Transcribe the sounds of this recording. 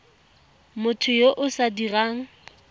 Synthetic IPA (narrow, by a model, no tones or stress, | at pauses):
mʊtʰʊjoʔʊsadiraːŋ̩